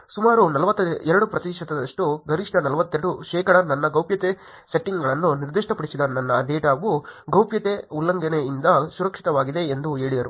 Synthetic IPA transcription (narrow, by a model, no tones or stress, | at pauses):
sumaːɾunɐlɐʋɐt̪ːɐɛɾɐɽupɾɐt̪iʃɐt̪ɐd̪ɐʂʈuɡɐɾiʂʈɐnɐlɐʋɐt̪ːɛɾɐɽuʃɛːkɐɽɐnɐnːɐɡɐwpjɐt̪e | seʈːiŋɡɐɭɐnːuniɾd̪iʂʈɐpɐɽisid̪ɐnɐnːɐd̪eːʈaːɡuɡɐwpjɐt̪eulːɐŋɡɐneind̪ɐsuɾɐkʂit̪ɐʋaːɡid̪e̞ːnd̪uɦe̞ːɭid̪ɐɾu